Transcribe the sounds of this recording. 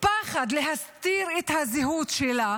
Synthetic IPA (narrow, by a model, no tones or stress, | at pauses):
paχad̪leɦast̪iʁet̪haziɦut̪ʃela